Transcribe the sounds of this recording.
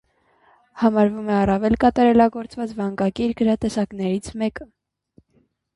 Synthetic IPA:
hɑmɑɾvumɛɑrɑvɛlkɑt̪ɑɾɛlɑɡɔɾt͡svɑt͡svɑŋɡɑkiɾɡəɾɑt̪ɛsɑknɛɾit͡sʰmɛkə

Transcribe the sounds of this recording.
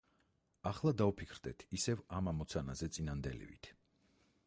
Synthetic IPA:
aχlˠad̪aupʰikʰɾd̪ɛt̪ʰisɛvamamɔt̪sʰanazɛt̪sʼinand̪ɛlḭvḭt̪ʰ

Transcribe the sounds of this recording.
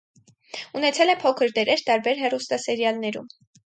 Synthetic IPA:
unɛt͡sʰɛlɛpʰɔkʰəɾd̪ɛɾɛɾt̪ɑɾbɛɾɦɛrust̪ɑsɛɾjɑlnɛɾṵm

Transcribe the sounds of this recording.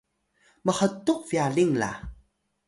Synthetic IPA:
məħətuk̚vialiŋla̰

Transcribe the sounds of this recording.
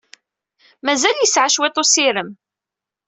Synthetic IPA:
mæzæljəsʕaʃwet̪ˤosɪɾəm

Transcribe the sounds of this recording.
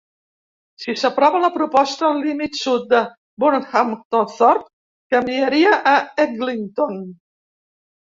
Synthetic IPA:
sisapɾɔβalapɾupɔst̪allimit̪sut̪̚d̪ə | buɾnamt̪ɔθɔɾt̪̚ | kamieɾiaʔaɛɡliŋt̪on

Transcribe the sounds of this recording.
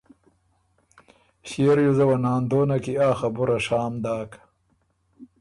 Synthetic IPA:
ɕieɾjuzɐwɐnaːnd̪oːnɐkiaːxɐbuɾɐʂaːmd̪aːk

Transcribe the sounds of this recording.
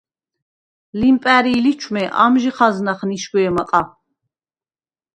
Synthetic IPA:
limpʼæɾilit͡ʃʰmɛʔa̰mʒiχaznaχniʃɡʷɛːmaqʼa

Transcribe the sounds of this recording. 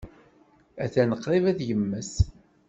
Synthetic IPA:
æθænəqːɾˤivæðjəmːəs

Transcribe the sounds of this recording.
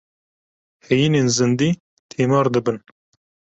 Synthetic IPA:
hɛjiːneːnzɨnd̪iː | t̪ʰeːmɑːɾd̪ɨbɨn

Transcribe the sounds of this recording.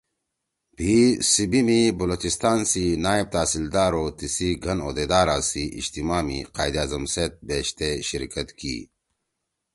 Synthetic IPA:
bʱisibimibɐlot͡ɕist̪aːnsinaːib̚t̪aːsild̪aːɾoːt̪isiɡʱɐno̰ːd̪ed̪aːɾaːsiʔḭd͡ʑt̪imaːmḭqaːjd̪iaːzɐmseːt̪̚beːɕt̪eɕiɾkɐt̪kḭː

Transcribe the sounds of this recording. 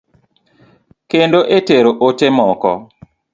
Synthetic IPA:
kendoʔeteɾoʔotemɔkɔ̰

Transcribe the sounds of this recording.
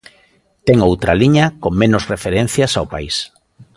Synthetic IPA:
t̪ɛŋowt̪ɾaliɲakoŋmẽnʊsrefeɾẽn̟θjasaopais

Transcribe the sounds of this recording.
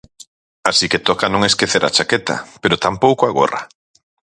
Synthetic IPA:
asiket̪okanõŋeskeθeɾʔa̰t͡ʃaket̪a̰peɾot̪ampowkoaɣo̰ra̰

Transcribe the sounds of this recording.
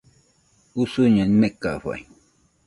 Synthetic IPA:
usuɲanimekaɸa̰j

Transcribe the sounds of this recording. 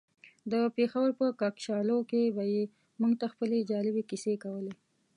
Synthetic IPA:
d̪əpexawəɾpəkɑkʃɑlokebaje | muŋɡt̪axpəled͡ʒɑlɪbekisekawəle

